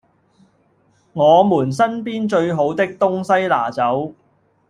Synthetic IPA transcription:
ŋɔː˨˧muː˨˩ns̬ɐ˥npiː˥nt͡ʃɵ˧ɥɦo˨˥wt̪ɪ˥k̚t̪ʊ˥ŋsɐ˥jla̰ː˨˩t͡sɐ˨˥w

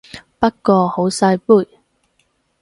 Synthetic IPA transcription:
pɐ˥k̚kːɔː˧ho˨˥wsɐ˧jpuː˥˩j

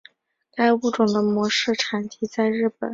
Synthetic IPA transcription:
ka˥˧ɪu˥˩ʈ͡ʂʊ˨˩ŋd̪ə˦mwɔ˧˥ʂɻ̩˥˩ʈ͡ʂʰa˨˥nt̪ʰi˥t͡sa˥˧ɪɻɻ̩˥˩pə̰˨˩˦

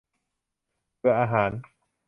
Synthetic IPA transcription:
pɯ˧˩ɐʔaː˧ɦaː˩˦n

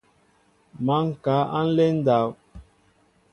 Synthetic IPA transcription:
ma˨˦ŋ̩˨ka˨˦ʔa̰˦n̩˦lɛ˦n̩˦da˨˦˨w

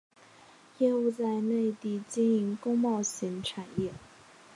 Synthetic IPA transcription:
jɛ˥˧u˥˧t͡sa˥˧ɪne˥˧ɪt̪i˥˩t͡ɕi˥ni˧˥ŋkʊ˥ŋmɑ˥˩ʊɕi˧˥ŋʈ͡ʂʰa˨˩njɛ˥˩

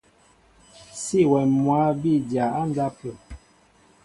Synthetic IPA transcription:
si˦˨wɛ˨mwa˨˦bi˦˨dja˨a˦n˦da˦pə˨

